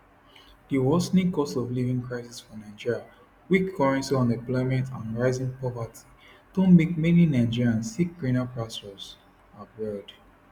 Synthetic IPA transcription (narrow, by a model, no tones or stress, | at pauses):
diwɔsnĩkɔstɔvlivĩŋkʰɹaɪsisfɔnãɪd͡ʒiɹa | wikʰːɔɹɛ̃nsiɔ̃nɛ̃plɔɪmɛ̃ntʰãnɹaɪzĩŋpɔvatʰi̥ | tɔ̃mbikmeninãɪ̃d͡ʒiɹãnsik̚ɡɹĩnapɹastɔz | atwɛld